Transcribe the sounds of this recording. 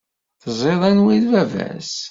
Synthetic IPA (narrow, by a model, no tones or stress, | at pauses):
θəzˤeðˤænwiðvævæ̰s